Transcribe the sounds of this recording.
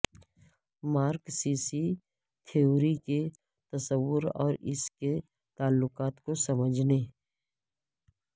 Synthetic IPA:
maːɾksiːsi | t̪ʰioːɾike | t̪ɐsəʋːʊɾɔ̰ːɾɪske | t̪aːlːʊkaːt̪kosəməd͡ʒʱneː

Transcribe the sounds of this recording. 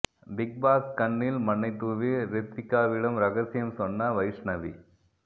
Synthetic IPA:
bɪk̚baːskɐnːɪlmɐɳːɐɪt̪ːuːʋiɾɪt̪ːɪkːaːʋɪɽɐmɾɐɣɐsɪjɐmsɔnːɐʋɐɪʂnɐʋi

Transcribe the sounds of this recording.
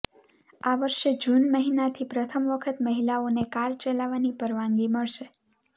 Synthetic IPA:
aʋəɾʃed͡ʒunməɦinat̪ʰipɾət̪ʰəmʋəkʰət̪məɦilaonekaɾt͡ʃəlaʋanipəɾʋãŋɡiməɭʃe

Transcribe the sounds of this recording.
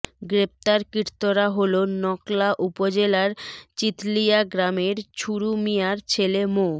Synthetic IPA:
ɡɾep̚t̪aɾkiɾt̪oɾaɦolonɔklaʔupod͡ʑelaɾt͡ɕit̪lijaɡɾameɾt͡ɕʰuɾumijaɾt͡ɕʰelemo

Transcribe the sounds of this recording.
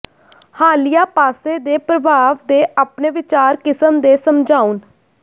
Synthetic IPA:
haːlijaːpaːseːd̪eːpɾəbaːʋd̪eːʔaːpneːʋɪt͡ʃaːɾkɪsəmd̪eːsəmd͡ʒaːun

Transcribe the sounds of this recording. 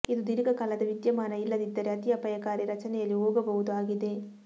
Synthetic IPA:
ɪðɯd̪ɪɾɯɣɐkɐlɐd̪ɐʋɪt̪jɐmaːnɐɪlːɐðɪd̪ːɐɾɛɐt̪ijɐpɐjɐkːaːɾjɐɾɐt͡ʃɐnɛjɐlioːɡɐbɐɣɯðɯaːɣɪðeː

